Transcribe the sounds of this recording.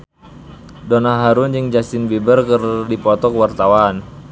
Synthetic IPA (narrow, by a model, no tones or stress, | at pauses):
donaɦaɾund͡ʒɨŋd͡ʒasɪnbibərkərdipɔt̪ɔkwart̪awan